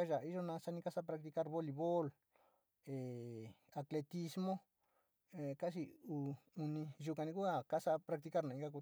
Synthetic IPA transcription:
a˦ʒa˨i˦ʒo˦˧nã˧sa˧nĩ˧ka˦sa˦pɾa˧k̚t̪i˧ka˦ɾβo˦li˧βo˦l | e˨a˧kle˧t̪i˧smõ˦ | e˨ka˦s̬i˧u˧u˧nĩ˧ʒu˧ka˧nĩ˧ku˦a˦ka˦sa˧pɾa˧k̚t̪i˧ka˦ɾnã˨ĩ˧ɡa˧k̬u˧

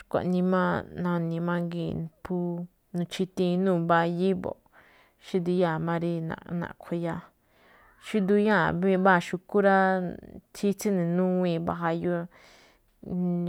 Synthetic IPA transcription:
kʷa̰˨ʔnĩ˧mã˦nã˧nĩ˧mã˦˧ŋɡḭ˧˨˧pʰu˦ | nũ˧t͡ʃi˧t̪ĩ˧nũː˦˧˨ba˧ji˦βo̰˨ | ʃi˦d̪u˧ja˦˨mã˧ɾi˧nã̰˨˧nã̰˨˧kʷʰe˧ja˧ | ʃi˦d̪u˧jã˦˨βi˧βa˦a˧ʃu˧ku˦ɾa˦t̪ʰi˦t͡si˦nĩ˨nũ˦wĩ˧βa̰˧ɦa˧jo˧

